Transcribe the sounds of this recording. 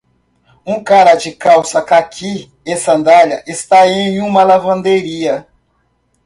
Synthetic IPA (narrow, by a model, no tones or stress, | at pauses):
ũkaɾɐd͡ʒɪkawsɐkakʰi | esɐ̃nd̪aʎɐʔest̪aẽj̃ũmɐlavɐ̃nd̪eɾiɐ